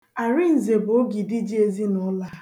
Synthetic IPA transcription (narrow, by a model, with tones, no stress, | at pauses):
a˨ɾɪ˦n̩˨ze˨bʊ˨o˦ɡi˨di˦d͡ʒi˦e˦zi˦nɔ˦la˦